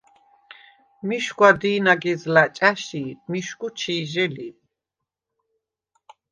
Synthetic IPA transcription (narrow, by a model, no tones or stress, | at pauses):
miʃɡwad̪iːnaɡɛzlat͡ʃʼaʃimiʃkut͡ʃʰiːʒɛli